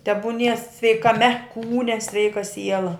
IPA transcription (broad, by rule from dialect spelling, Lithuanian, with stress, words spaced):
tʲɛbʊˈnʲiɛ sʲʋʲɛɪkɐˈmʲɛ ˈkuːnʲɛ ˈsʲʋʲɛɪkɐ ˈsʲiɛlˠɐ